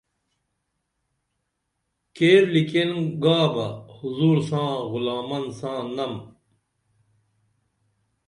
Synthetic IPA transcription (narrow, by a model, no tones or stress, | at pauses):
keːɾlikenɡaːbɐhuzuːɾsãːɣulaːmɐnsãːnɐm